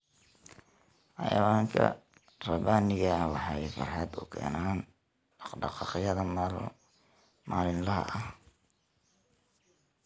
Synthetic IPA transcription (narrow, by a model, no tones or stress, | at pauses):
ʔɑ̰jɐ̰waːŋkʰɐ̰ | rɐbaːnɪɣɐwɑħɑjfɑrħɑd̪ʊ̰kʰɛ̰ːnaːn | ɖɖɑ̰qɑqɪjɐðɐm | maːlɪnlɐɦɐ̰ʔɐ